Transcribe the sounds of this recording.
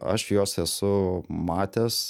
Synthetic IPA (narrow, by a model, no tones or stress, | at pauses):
ɐ̰ʃjoːsɛsʊmɑːt̪ʲeːs